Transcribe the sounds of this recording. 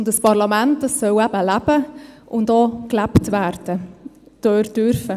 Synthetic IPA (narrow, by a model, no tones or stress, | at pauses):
ʊndəspɑɾlɑmæntdɑsːœwæbəlæb̥əʔʊndoːklæptvæːɾd̥ə | d̥øːɾd̥ʏɾfə